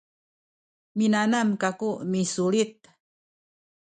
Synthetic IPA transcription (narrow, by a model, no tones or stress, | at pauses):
minanamkakumisuɭit̪̚